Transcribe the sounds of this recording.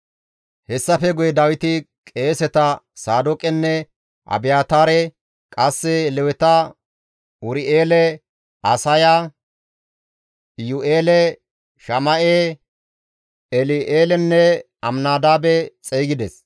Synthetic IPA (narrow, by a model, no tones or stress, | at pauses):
hɛsːɐfɛɡʊjɛd̪ɐwɪt̪ɪ | kʼe̞ːsɛt̪ɐsaːd̪ɔkʼɛnːɛ | ʔɐ̰bɪjaːt̪aːɾɛ | kʼɐsːɛlɛwɛt̪ɐ | ʊɾɪʔeːlɛ | ɐsɐja | jʊʔeːlɛ | ʃɐmɐʔeː | ɛlɪʔeːlɛnːɛ | ɐmnaːd̪aːbɛt͡sʼeːɡɪd̪ɛs